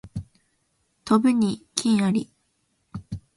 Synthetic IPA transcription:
t̪obɯ̟ɲ̟ikʲʰĩɰ̃aɾʲi

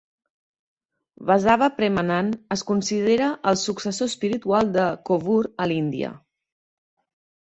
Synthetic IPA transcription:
βəzaβəpɾemənanəskunsið̞eɾəʔːlˠsuksəsospiɾit̪ualˠd̪əkoβuɾəlind̪iə̰

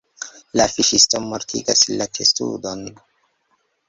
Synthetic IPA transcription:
lafiʃistomoɾtʰḭɡasllatʰestṵdon

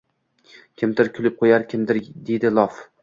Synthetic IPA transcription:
kʲʰɪmt̪ɪɾkʰʲʊlɪp̚qʰojaɾkʲʰɪmd̪ɪɾd̪e̞d̪ɪlˠɒf

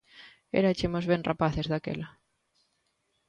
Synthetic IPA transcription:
ḛɾat͡ʃemozβenrapaθezðakḛla

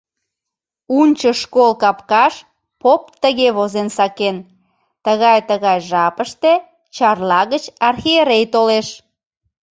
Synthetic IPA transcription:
unʲt͡ɕəʃkolkɑpkɑʃ | popt̪əɣeβozensɑken | t̪əɣɑjt̪əɣɑjʒɑpəʃt̪e | t͡ɕɑrlɑɣət͡ɕɑrxieɾejt̪oleʃ

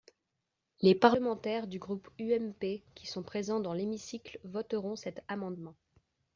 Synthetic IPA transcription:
lepaʁləmɑ̃t̪ɛʁd̪yɡʁupyɛmpekʲisɔ̃pχezɑ̃d̪ɑ̃lemisiklvɔt̪əʁɔ̃sɛt̪amɑ̃d̪mɑ̃

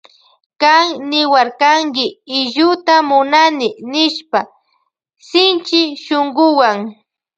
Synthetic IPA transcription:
kaŋnɪwaɾkaŋkɪɪʒʊt̪amʊnanɪnɪʃpa | sɪnt͡ʃɪʃoŋɡʊwaŋ

